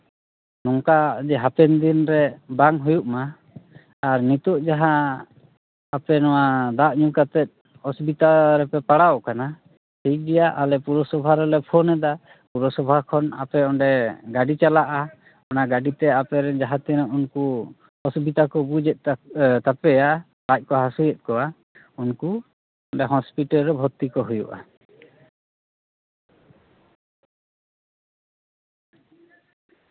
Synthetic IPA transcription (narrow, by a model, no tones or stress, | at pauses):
nɔŋkad͡ʒɛɦapɛnd̪inɾɛbaŋɦujuʔmaː | ɾnit̪ɔʔd͡ʒaɦa | apɛnɔwad̪aʔɲukat̪ɛt̪̚ | ɔsbit̪aɾɛpɛpaɽawkana | sɛd͡ʒijaʔalɛpuɾɔsɔbʱaɾɛlɛpʰɔnɛd̪a | puɾɔsɔbʱakʰɔna̰pɛɔɳɖɛɡaɖit͡ʃalaʔa | ɔnaɡaɖit̪ɛapɛɾɛd͡ʒaɦat̪ɛɾɔunku | ɔsubʱid̪akɔbud͡ʒɛt̪̚t̪apɛja | bac̚kɔɦasujɛt̪̚ˀkɔwa | unku | ɔɳɖɛɦɔspiʈalɾɛbʱɔt̪ikɔɦujṵʔa̰